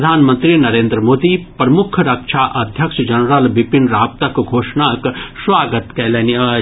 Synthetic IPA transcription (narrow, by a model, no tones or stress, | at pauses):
d̪ʱaːnmənt̪ɾiːnɐɾeːnd̪ɾəmoːd̪ipɾɐmukʰɾɐkʂʰaːʔɐd̪ʱjɐkʂɐd͡ʒɐnɾalʋipinɾaːp̚t̪ɐkɡʱoːʂɳaːksʋaːɡɐt̪kɛlɐniɐ